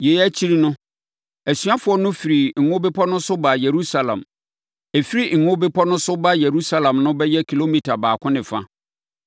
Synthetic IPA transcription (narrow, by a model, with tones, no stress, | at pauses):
jɛ˨jæ˦t͡ɕʰi˦ɾi˦nʊ̃˦ | æ˨sɥa˦fʊ˨ɔ˨˦nʊ̃˦fi˨ɾi˨ŋ̩˨ŋʊ̃˦be˦pʰɔ˦nʊ̃˦sʊ˦ba˨je˨ɾu˦sa˨lã̰˨m | e˨fi˦ɾi˦ŋ̩˨ŋʊ̃˦bɪ˦pʰɔ˦nʊ̃˦sʊ˦ba˦je˨ɾu˦sa˦lã˨mnʊ̃˦bɛ˦jɛ˦kʰi˨lo˦mi˨tʰa˨baː˨kʷʰʊ̃˦nɪ̃˨fa̰˦